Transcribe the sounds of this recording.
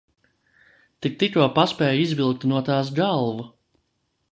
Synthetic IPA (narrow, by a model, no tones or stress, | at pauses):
t̪ik̚t̪ik̪uɔpaspʲɛːjizvilˠk̚t̪nuɔt̪aːs̬ɡalˠvu